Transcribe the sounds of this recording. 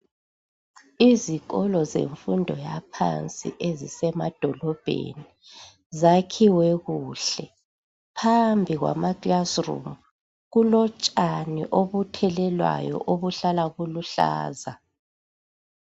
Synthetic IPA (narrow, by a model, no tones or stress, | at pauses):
iziɣɔlɔzḛɱfundʱɔjapʰa̰nt͡sʼḭʔezisɛmad̥ʱɔlɔb̥ʱḛni | zakʰiwɛɣuːɬɛ | pʰambʱiɣwa̰maɡlasrṵm | ɣulɔt͡ʃʼanḭʔoβutʰɛlɛlwa̰jɔ̰ʔoβuɬalaɣuluɬa̰ːza